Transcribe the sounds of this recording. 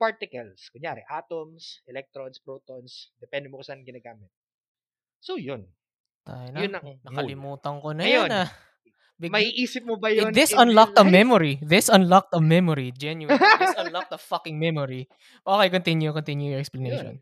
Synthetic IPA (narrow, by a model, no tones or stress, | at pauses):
paɹt̪ɪkɐlskʊɲjaːɾɛʔaːt̪omsɛlɛk̚t̪ɾonspɾot̪onsd̪ɛpɛnd̪ɛmokɐsaːnɐɡɪnaːɡaːmɪt̪̚ | sojon | t̪a̰ːjɐnɐʊnɐnɐkɐlɪmuːt̪ɐŋkonɐjonnɐ | bɪmɐiʔiːsɪp̚mobɐjonðɪsɐnlɐk̚t̪ɐmɛmoɹiðɪsɐnlɐk̚t̪ɐmɛmoɹid͡ʒɛnjuwsɐnlɐk̚t̪ɐfɐkɪŋmɛmoɹi | ʔokejkont̪ɪnjukont̪injujɔʔɛksplɐnejʃo̰n